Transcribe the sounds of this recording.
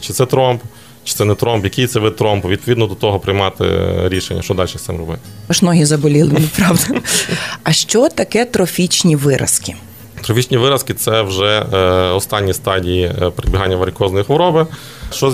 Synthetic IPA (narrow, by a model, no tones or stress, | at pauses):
t͡ʃɪ̥t̪sɛt̪ɾɔmp | t͡ʃɪ̥sɛnɛt̪ɾɔmpjɐkijt̪sɛʋɪt̪ɾɔmpʋʲid̪pɔʋʲid̪nɔd̪ɔt̪ɔɦɔpɾɪjmɑt̪ɪ̰ɾʲiʃenʲːɐʃt͡ʃɔd̪ɑlʲʃxt̪sɛ̰mɾɔbɪ̰t̪ɐʃnɔɦizɐbɔlʲilˠɪnɛpɾɑʋd̪ɐ | ɐʃt͡ʃɔt̪ɐkɛt̪ɾɔfʲit͡ʃnʲiʋɪɾʔɐ̰skɪ | t̪ɾɔfʲit͡ʃnʲiʋɪɾɐskɪt̪sɛwʒɛɔst̪ɑnʲːist̪ɑdʲijipeɾɪd̪bʲiɦɑnʲːɐʋɐɾʲkɔznɔjixʋɔɾɔbɪ | ʃt͡ʃɔ